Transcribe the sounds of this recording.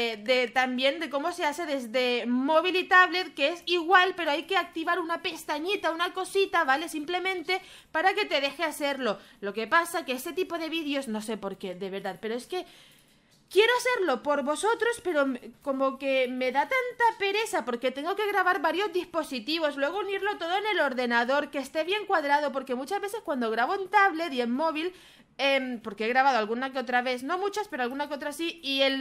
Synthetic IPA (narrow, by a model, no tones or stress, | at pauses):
d̪et̪ambje̞nd̪e̞ko̞mo̞se̞ase̞ðe̞zðe̞mo̞β̞ilit̪aβle̞t̪̚keesiɣwalpe̞ɾoajke̞ak̚t̪iβaɾunape̞st̪aɲit̪aunako̞sit̪aβale̞simple̞mẽnt̪e̞ | paɾake̞t̪e̞ðe̞xe̞ase̞ɾlo̞lo̞ke̞pasakeest̪e̞t̪ipo̞ðe̞βiðjo̞sno̞se̞po̞ɾke̞ðe̞βe̞ɾðað̚pe̞ɾoeske̞ | kje̞ɾoase̞ɾlo̞po̞ɾβo̞so̞t̪ɾo̞spe̞ɾo̞ko̞mo̞ke̞me̞ðat̪ant̪ape̞ɾe̞sapo̞ɾke̞t̪e̞ŋɡo̞ke̞ɣɾaβaɾβaɾjo̞zðispo̞sit̪iβo̞slwe̞ɣouniɾlo̞t̪o̞ðoene̞lo̞ɾðe̞naðo̞ɾkeːst̪e̞βje̞ŋkwaðɾaðo̞p̬o̞ɾke̞mut͡ʃazβe̞se̞skwand̪o̞ɣɾaβo̞ent̪aβle̞t̪ie̞ŋmo̞βil | empo̞ɾkeeɣɾaβ̞að̞oalɣunakeo̞t̪ɾaβe̞sno̞mut͡ʃaspe̞ɾoalɣunakeot̪ɾasiiel